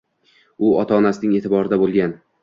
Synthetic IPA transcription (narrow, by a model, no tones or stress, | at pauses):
ʊɒt̪ʰaɒːnasɪnɪŋe̞ːt̪ʰɪbɒɾɪd̪abolˠɡʲan